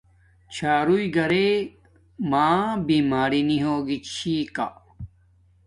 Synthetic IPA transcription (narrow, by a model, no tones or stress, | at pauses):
t͡ɕʰaːɾuiɡɐɾe | maːbiːmaːɾiniɦoːɡit͡ɕʰiːka̰